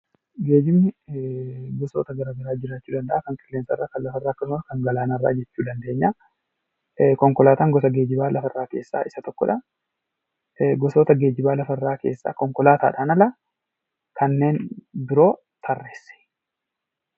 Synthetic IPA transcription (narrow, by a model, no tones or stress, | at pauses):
ɡe̞ːd͡ʒɪmnɪ | ɡɔsoːt̪ɐɡɐɾaːɡɐɾaːd͡ʒɪɾaːt͡ʃːuːd̪ɐnd̪ɐʔaːkɐŋkʼɪlːensɐrːaːkɐnlɐfɐɪrːaːɐkːɐsʊmɐkɐŋɡɐlaːnɐrːa̰ːd͡ʒɛt͡ʃːuːd̪ɐnd̪e̞ːɲːaː | kɔŋkɔlaːt̪aːŋɡɔsɐɡe̞ːd͡ʒɪbaːlɐfɐɪrːaːke̞̰ːsːa̰ːʔɪsɐt̪ɔkːɔ̰ᶑɐ | ɡɔsoːt̪ɐɡe̞ːd͡ʒɪbaːlɐfɐɪrːaːke̞ːsːa̰ːkɔŋkɔlaːt̪a̰ːᶑaːnɐlɐ | kʰɐnːe̞ːnbɪɾo̞ː | t̪ʰɐrːeːsɛ̥